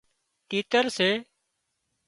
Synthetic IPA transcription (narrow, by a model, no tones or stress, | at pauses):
ʈiːt̪əɾseː